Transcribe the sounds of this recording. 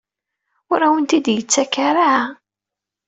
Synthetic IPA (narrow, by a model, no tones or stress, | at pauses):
ʊɾawənt̪id̪jət͡sːækaɾaʕa